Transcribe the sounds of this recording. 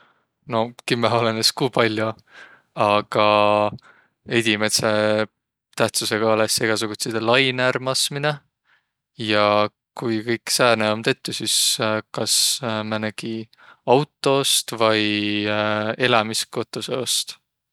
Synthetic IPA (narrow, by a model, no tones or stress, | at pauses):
no̞kimɑoleneskuːpɑlʲju | ɑɡ̥ɑ | e̞d̪̥ʲimet̪se | t̪æht̪suse̞ɡ̥ɑolese̞ɡ̥ɑs̬uɡ̥ut̪sed̪elɑjnæɾmɑsmine̞ | jɑ | kujkɤjkːsæːneo̞mt̪e̞t̪ːˑusiskɑsmɑnæɡ̥i | ɑwt̪ˑːo̞st̪vɑj | e̞lɑmisko̞t̪ːˑo̞seost̪